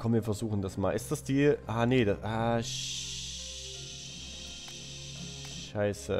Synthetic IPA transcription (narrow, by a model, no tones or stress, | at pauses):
kʰɔmviːɐfɛɐzuːxn̩dasmaːlʔɪstd̥asd̥iːʔaːneːdaʔaː | ʃaɪsə̰